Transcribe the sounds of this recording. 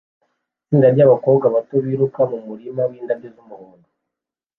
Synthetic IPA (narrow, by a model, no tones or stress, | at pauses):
siːndaɾɟaːβako̞ːbɡaβato̞βiːɾukamumuɾimawiːndabɟezumuhuːndu